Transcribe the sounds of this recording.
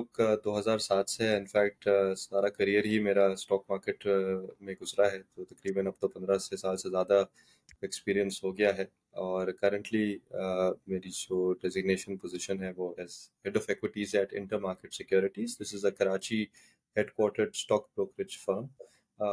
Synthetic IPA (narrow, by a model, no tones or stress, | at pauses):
okd̪oːɦɐzaːɾsaːt̪ʰseɪ̃nfɛːk̚ʈsaːɾakɐɾijəɾɦimeːɾasʈɔːk̚maːɾkeʈmẽɡʊzɾaɦɛd͡ʒoːt̪ɐkɾiːbə̃nɐb̚t̪opɐ̃nd̪ɾasesaːlsezjaːd̪a | ekspiːɾijə̃nsɦoːɡɐjaɦɛ | ɔːɾkɐɾə̃ɳʈli | meːɾid͡ʒoːɖɛzɪɡneːʃənpozɪʃənɦɛʋoːɛzhɛɖɔːfɛkwɪʈiːzɛːʈɪ̰̃ɳʈəɾmaːɾkeʈsɪkjoːɾɪʈiːzd̪ɪsɪzəkɐɾaːt͡ʃi | heɖkwɔːɾʈəɾsʈɔːkbɾoːkɾɪd͡ʒfəɾm